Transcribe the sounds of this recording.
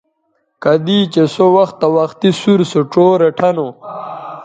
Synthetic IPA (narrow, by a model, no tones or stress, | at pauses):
kad̪iːt͡ɕesowɐxt̪ːawɐxt̪isuɾsoʈ͡ʂoːɾeʈʰɐno